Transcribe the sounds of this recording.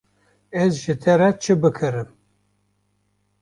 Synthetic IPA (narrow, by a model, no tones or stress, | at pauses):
ɛzʒɨt̪ʰɛɾɛt͡ʃʰɨbɨkʰɨɾɨm